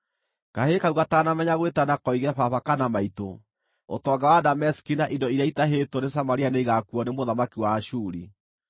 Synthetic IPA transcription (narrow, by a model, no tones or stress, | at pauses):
kahekauɣataːnamɛɲaɣwetanakɔiɣɛfaβakanamaito | o̰tɔːŋɡawadamɛsi̥kinaʔindɔiɾjaitaɦetones̬amaɾianeiɣakuɔnemoðamakiwaʃuːɾi